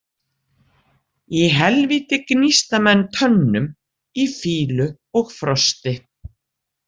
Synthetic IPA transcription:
iɦɛlviːt̪ɪknist̪amɛnːt̪ʰœnːʏm | ifiːlʏ | ɔɣfɾɔst̪ɪ

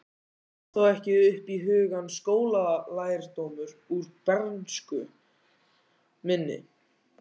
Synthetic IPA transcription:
θowɛhcɪʏhpiɦʏːɣanskoːwlalaːjɾ̥t̪oːmʏɾuɾpɛɾnskʏ | mɪnːɪ̰

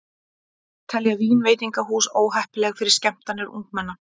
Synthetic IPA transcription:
t̪ʰɛljaviːnveːjt̪iŋkaɦuːsoːwɦɛhpɪlɛɣfɪɾɪɾ̥scɛm̥t̪anːɪɾṵŋkmɛnːa

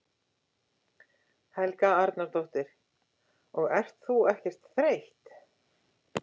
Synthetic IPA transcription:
hɛlkaaɾt̪naɾt̪owht̪ɪɾ̥ | ɔɣɛr̥t̪θuɛhcɛr̥t̪θɾejht̪

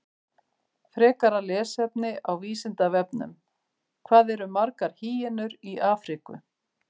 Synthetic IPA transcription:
fɾɛːkaɾalɛːsɛpnɪawviːsɪnt̪avɛpnʏ̰m | kʰvaːðɛɾʏmaɾkaɾ̥hiːjɪnʏɾiʔaːfɾikʏ̰

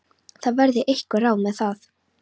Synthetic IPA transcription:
θaðvɛɾðɪʔejhkʏraːwmɛðθaθ

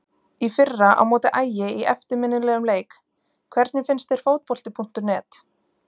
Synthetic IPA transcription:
ifɪrːaʔa̰wmoːwt̪ɪʔaːjɪiʔɛft̪ɪɾmɪnːɪlɛːɣʏmleːjk | kʰvɛɾt̪nɪfɪnst̪ɛɾ̥fowt̪̚pɔlt̪ɪpʰun̥t̪ʏɾnɛːt̪

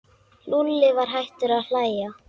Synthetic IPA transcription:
nulːɪvaɾ̥ɦajht̪ʏɾaðl̥aːjja

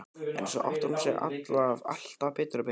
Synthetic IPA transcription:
ɛ̰nsɔ̰ʔa̰wht̪aɾumsjɛ̰ɣʔa̰t̪lava̰l̥t̪avpɛːt̪ɾʏpe

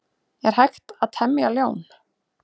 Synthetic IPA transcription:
jɛɾ̥haxt̪aðt̪ʰɛmːɪaljoːwn

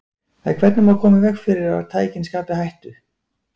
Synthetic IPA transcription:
aðkʰvɛt̪nʏmakʰɔːmɪvɛxfɪɾɪɾaa̰ɾ̥t̪ʰaːjcɪnskaːpɪhajht̪ʏ

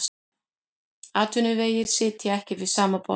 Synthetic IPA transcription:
aːt̪ʰʏnʏveːjɪɾ̥sɪːt̪jaɛhcɪvɪðsaːmapɔ̰

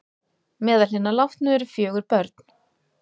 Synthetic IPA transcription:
mɛːðalhɪnalaft̪nʏɛɾʏfjœːɣʏɾpœɾt̪n̥

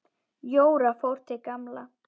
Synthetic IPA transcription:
joːwɾafowɾ̥t̪ɪkamla

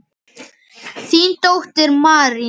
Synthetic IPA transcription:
θint̪owht̪ɛɾmaːɾi

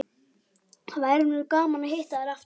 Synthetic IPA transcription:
vajɾʏnʏʏkaːmanʏhejht̪aðɪɾaft̪

